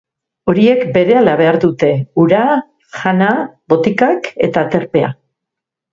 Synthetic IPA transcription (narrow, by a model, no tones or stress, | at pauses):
o̞ɾie̞kbe̞ɾe̞alaβe̞aɾðut̪e̞uɾa | ʝanaβo̞t̪ikake̞̰t̪at̪e̞ɾpe̞a̰